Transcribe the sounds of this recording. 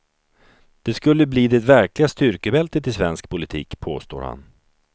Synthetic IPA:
d̪̥ɛskɵlːəbliːd̪ɛt̪væɾklɪɡast̪ʏɾkəbɛlt̪ət̪ɪsvɛnskpʰʊlɪt̪ʰḭːkpʰo̰ːst̪o̰ːɾha̰n

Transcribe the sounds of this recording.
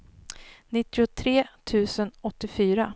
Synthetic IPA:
nɪt̪ːɪʊt̪ʰɾeːt̪ʰʉ̟ːsənɔt̪ːɪfyːɾa

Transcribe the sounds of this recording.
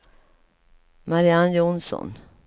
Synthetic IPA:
maɾɪanjʊnsɔ̰n

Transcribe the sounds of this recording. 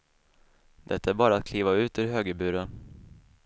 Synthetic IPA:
d̪̥ɛt̪ːaæɾbɑːɾaːt̪̚kʰliːvaʉ̟ːt̪ɵɾɦøːɡəbʉ̟ːɾə

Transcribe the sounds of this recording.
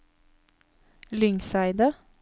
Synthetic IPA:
lʏŋsæɪd̪ə

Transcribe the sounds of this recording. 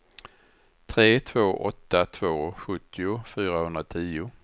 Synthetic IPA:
t̪ʰɾeːt̪ʰv̥oːʔɔt̪ːat̪ʰv̥oːɧɵt̪ʰːɪʊfyːɾahɵnd̪ɾat̪ʰiːʊ

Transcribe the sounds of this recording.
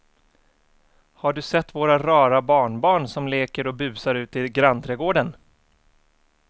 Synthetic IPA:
haɖɵsɛt̪ːvoːɾaɾɑːɾabɑːɳbɑːɳsɔmleːkəɾɔbʉ̟ːsaɾʉ̟ːt̪ɪlɡɾant̪ʰɾɛːɡoːɖən

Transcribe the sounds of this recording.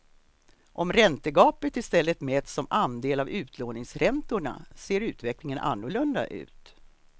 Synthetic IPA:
ʔɔmɾɛnt̪əɡɑːpət̪ɪst̪ɛlːət̪meːd̪sɔmand̪eːlavʉ̟ːt̪ʰloːnɪŋsɾɛnt̪ʊɳa̰seːɾʉ̟ːt̪vɛklɪŋənʔa̰nːʊɭɵnd̪a̰ʔʉ̟̰ːt̪

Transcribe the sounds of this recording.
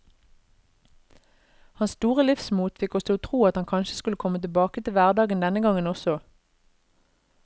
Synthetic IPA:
hɑnst̪uːʁəlɪfsmuːt̪fɪkɔsoːt̪ʰʁuːɑt̪hɑŋkʰɑnʃə̥skʉləkʰɔmət̪ɪbɑːkət̪ɪlʋæʁd̪ɑːɡənd̪ɛnəɡɑŋənɔsɔ

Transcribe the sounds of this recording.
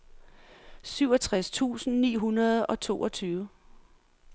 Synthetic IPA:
syʊɒ̽t͡sʰʁast͡sʰṵːsn̩nḭːɦunɐð̞ˠɒ̽t͡sʰo̝̰ːʔɒ̽t͡sʰyːʊə

